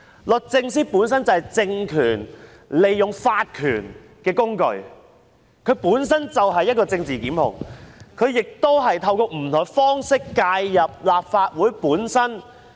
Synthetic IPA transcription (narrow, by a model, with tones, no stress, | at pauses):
lɵ˨k̚t͡sɪ˧ŋsiː˥puː˨˥ns̬ɐ˥nt͡sɐ˨˩hjt͡sɪ˧ŋkʰyː˨˩n | le˨jːʊ˨ŋfaː˧t̚kʰyː˨˩n | kɛː˧kʊ˥ŋkɵ̰˧ɥ | kʰɵ˨˧ɥpuː˨˥ns̬ɐ˥nt͡sɐ˨wɦɐ˨jːɐ˥t̚kɔː˧t͡sɪ˧ŋt͡siː˨kiː˨˥mhʊ̰˨˩ŋkʰɵ˨˧ɥjɪ˨k̚t̪o˥wɦɐ˨jt̪ʰɐ˧wkɔː˧m̩˨˩t̪ʰɔ˨˩ŋfɔː˥ŋsɪ˥kːaː˧jːɐ˨p̚laː˨p̚faː˧t̚wuː˨˥jpuː˨˥nsɐ˥n